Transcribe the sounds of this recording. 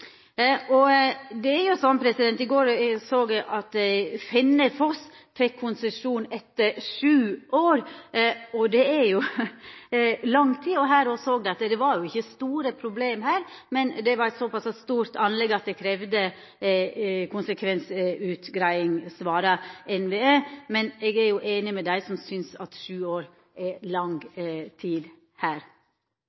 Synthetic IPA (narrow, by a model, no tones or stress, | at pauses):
ʔɔd̪ɛæɾjʊsɔnːpʰɾɛsɪd̪ɛnt̪ɪɡoːɾsoːɡ̪ɛʔɑt̪fɛnːəfɔs | fɛkʰːʊnsəʂuːnɛt̪ːəʂʉːʔoːɾ | ɔd̪ɛæɾjʊ | lɑŋt̪ʰiːɔɦæːɾɔsoːɡ̚d̪ɛɑt̪ːd̪ɛʋɑɾjʊɪçːəst̪uːɾəpʰɾʊbleːmhæːɾmɛnd̪ɛʋɑɾɛt̪sɔpʰɑsɑst̪uːɾt̪ʰɑnlɛɡɑt̪̚d̪ɛkʰɾɛʋd̪ə | kʰʊnsəkʰʋɛnsʉːt̪ɡɾæɪɪŋsʋɑːɾɑʔɛnʋeːeːmɛnɛɡæɾjʊʔeːnɪmɛd̪æɪsɔmsʏnsɑt̪ʂʉːoːɾ | ʔɛlɑŋt̪ʰiːd̪ | hæːɾ